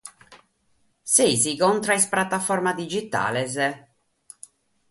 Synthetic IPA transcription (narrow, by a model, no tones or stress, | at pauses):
sezikɔnt̪ɾaispɾat̪ːafɔrmad̪id͡ʒit̪a̰ːlɛzɛ